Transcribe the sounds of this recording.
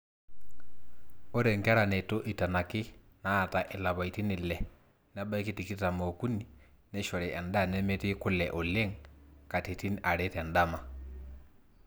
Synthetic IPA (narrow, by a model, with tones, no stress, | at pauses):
o˦ɾɛ˨ŋɡɛ˦ɾa˨nɛ˨to˦ʔi˨ta˨na˨kɪ˦ | naː˦˨ta˨ʔɛ˨la˨βa˨i˨ti˦nɪ˨lɛ˨ | na˦ba˦i˦ki˦ti˨ki˦ta˨mo˨ku˦ni˨ | nɛ˦ʃɔ˨ɾɛ˨ʔɛ˨nda˦˨nɛ˦me˦te˦kʊ˦lɛ˨ʔo˨le˦ŋka˨te˨ti˦nʔa˨ɾe˦tɛ˨nda˦ma˨